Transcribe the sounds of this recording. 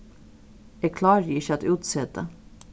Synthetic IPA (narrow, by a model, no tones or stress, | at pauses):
ɛkʰlɑːɾiɪçəɑt̪ʉːt̪sɛːd̪ə̰